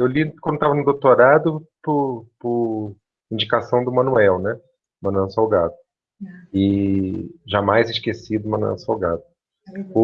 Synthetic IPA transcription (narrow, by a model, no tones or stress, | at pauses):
ewlikʷwɐ̃d̪ot̪avɐnʊd̪owt̪oɾad̪ʊpʊpʊ | ĩd͡ʒikasɐ̃w̃d̪ʊmɐ̃nuɛwnɛ | mɐ̃nuɛwsawɡad̪ʊ̥ | ɪ | ʒamajzɪʃkesid̪ʊmɐ̃nuɛ̰wsawɡad̪ʊ̥